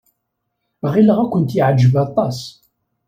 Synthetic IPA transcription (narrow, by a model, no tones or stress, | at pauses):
ʁiləʁækʷːənt̪jiʕd͡ʒːəvɑt̪ˤɑs